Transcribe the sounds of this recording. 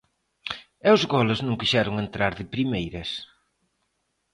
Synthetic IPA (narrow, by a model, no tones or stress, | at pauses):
ɛwzɣɔlɪznũŋkiʃɛɾʊŋent̪ɾaɾðɪpɾimejɾɐs